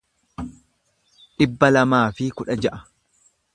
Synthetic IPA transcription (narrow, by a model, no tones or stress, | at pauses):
ᶑɪbːɐlɐmaːfɪkʊᶑɐd͡ʒɐʔɐ̥